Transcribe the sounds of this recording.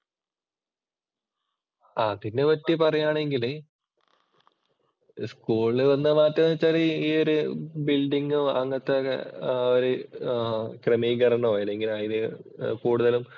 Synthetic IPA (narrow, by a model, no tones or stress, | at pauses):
aːt̪inːeʋɐtːipɐrɐjaːɳe̞ŋɡile | skuːɭɨʋɐnːɨmaːtːɐnːɐt͡ɕːaliiːoɾubilɖiŋɡuɐ̰ŋːɐt̪ːḛ | oɾu | kremiːɡɐrɐɳoːelːeŋɡilumɐjinɨkuːɽuðɐlum